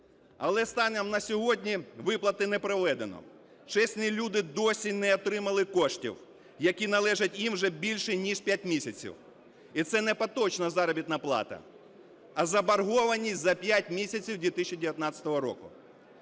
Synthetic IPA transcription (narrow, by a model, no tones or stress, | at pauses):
ɐlˠɛst̪ɑnɛmnɐsʲɔɦɔdʲnʲiʋɪplˠɐt̪ɪnɛpɾɔʋɛd̪enɔ̰ | t͡ʃɛsʲnʲilʲud̪ɪd̪ɔsʲinɛɔt̪ɾɪmɐlˠɪkɔʃtʲḭw | jɐkʲinɐlˠɛʒɐtʲjimwʒɛbʲilʲʃɛnʲiʃpʲjatʲmʲisʲɐt͡sʲḭw | it̪sɛnɛpɐt̪ɔt͡ʃnɐzɑɾɔbʲit̪nɐplˠɑ̰t̪ɐ̰ | ɐzɐbɐrɦɔʋɐnʲizɐpʲjatʲmʲisʲɐt͡sʲiwd̪ʲʋʲit̪ɪʃʲːid̪ʲeʋʲjɐt̪nɑt͡sʲɐ̥t̪ɔɦɔɾɔ̰kʊ̰